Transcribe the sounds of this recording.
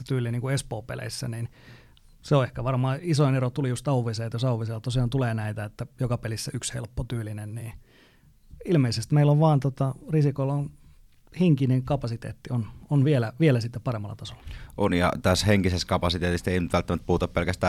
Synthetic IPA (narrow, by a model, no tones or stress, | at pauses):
t̪yːlːˑiniŋkuespoːpḛlḛisːæ̰nin | seoehkæʋɑrmɑːisoinerot̪ulijust̪ɑuʋˑiseːt̪josɑuʋiselt̪osiɑːnt̪uleːnæit̪æet̪ːæjokɑpelisːæykshḛlpːot̪yːlinenniː | ilmeisest̪meilːoʋʋɑːnt̪ot̪ɑrisikolːon | hiŋkineŋkɑpɑsit̪ḛːt̪ːiononʋielæʋielæsit̪ːeppɑremːɑlːɑt̪ɑso̥lːɑ̥ʔonjɑ̰t̪æsheŋkiseskɑpɑsit̪eːt̪ist̪einyt̪ʋælt̪ːæmæt̪̚puːt̪ɑppelkæst̪æː